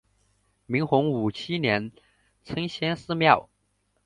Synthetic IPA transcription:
mi˧˥ŋxʊ˧˥ŋu˨˩t͡ɕʰi˥njɛ˧˥n | t͡sʰɤ˥ŋɕjɛ˥nsɹ̩˥˧mjɑ˥˩ʊ

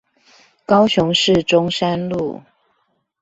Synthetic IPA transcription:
kɑ˥˦ʊɕʊ˨˧˦ŋʂɻ̩˥˨ʈ͡ʂʊ˦ŋʂa˦nlu˥˨

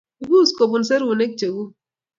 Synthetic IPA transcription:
u˨ɡu˦˨sko˨bu˨n˨se˦ɾu˨ne˦k̚t͡ʃe˨ɡu˦

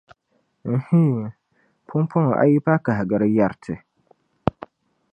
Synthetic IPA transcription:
n̩˨hi˦˨ | pʰʊ˦m˦pʰɔ˦ŋɔ˨ʔa̰˦ji˦pa˦ka˨ɦɪ˨ɡɨ˨ɾɨ˦ja˨ɾtʰɨ˨

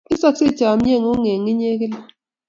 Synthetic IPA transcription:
i˦sa˦ksi˦˨t͡ʃa˨m̩˦ɲe˦˨ŋ˦u˦ŋe˨ŋi˦ɲe˦k̬i˦la˦

